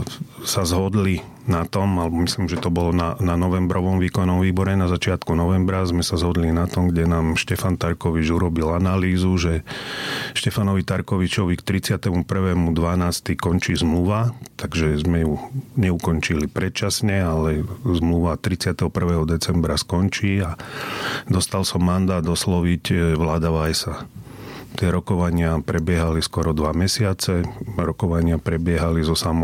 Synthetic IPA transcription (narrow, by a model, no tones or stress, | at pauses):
sazɦɔd̪li | nat̪ɔmalɛbɔmisliːmʒɛt̪ɔbɔlɔnananɔʋɛmbɾɔʋɔmʋiːkɔnːɔmʋiːbɔɾɛnazat͡ʃɪat̪kunɔʋɛmbɾazmɛsazɦɔd̪linat̪ɔmɡɟɛnaːmʃcɛfant̪aɾkɔʋid͡ʒuɾɔbilanaliːzuʒɛ | ʃcɛfanɔʋit̪aɾkɔʋit͡ʃɔʋikt̪ɾit͡sɪat̪ɛmupr̩ʋɛːmud̪ʋanaːst̪ikɔnt͡ʃiːzmluʋat̪aɡʒɛzmɛjuɲɛukɔnt͡ʃilipɾɛtt͡ʃasɲɛalɛzmluʋat̪ɾit͡sɪat̪ɛɦɔpr̩ʋɛːɦɔd̪ɛt͡sɛmbɾaskɔnt͡ʃiːa | d̪ɔst̪alsɔmːand̪aːd̪ɔslɔʋicʋlaːd̪aʋajsa | t̪ɪɛɾɔkɔʋaɲɪapɾɛbɪɛɦaliskɔɾɔd̪ʋamɛsɪat͡sɛɾɔkɔʋaɲɪapɾɛbɪɛɦalizɔsamɔ